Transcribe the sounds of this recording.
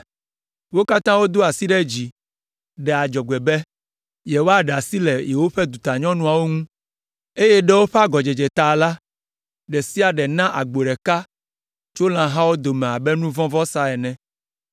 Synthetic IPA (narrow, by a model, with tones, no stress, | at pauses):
wo˦ka˦t̪ã˦wo˦d̪o˦a˨si˦ɖɛ˦d͡ʑi˨ | ɖɛ˨a˨d͡ʒɔ˨ɡ͡bɛ˨bɛ˦ | jɛ˨wo˦a˦ɖa˨si˦lɛ˨jɛ˨wo˦ɸɛ˦d̪u˨t̪a˨ɲɔ̃˦nũ˦a˨wo˦ŋũ˦ | e˦jɛ˦ɖɛ˦wo˦ɸɛ˦a˦ɡɔ˨d͡ʒɛ˨d͡ʒɛ˨t̪a˨la˦ | ɖɛ˨si˦a˨ɖɛ˨nã˦ʔa˨ɡ͡bo˨ɖɛ˨ka˦ | t͡ʃo˦lã˨ɦã˦wo˦d̪o˨mɛ̃˨a˨bɛ˦nũ˦vɔ̃˦vɔ˦sa˦ɛ˨nɛ̃˨